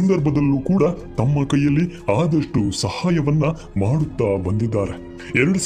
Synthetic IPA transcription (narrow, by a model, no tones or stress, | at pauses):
ɐnd̪ɐɾbʱɐd̪ɐlːuːkuːɽɐt̪ɐmːɐkɐjːɐlːiaːd̪ɐʂʈusɐhaːjɐʋɐnːɐ | maːɽut̪ːaːbɐnd̪id̪ːaːɾe | ɛɾɐɽus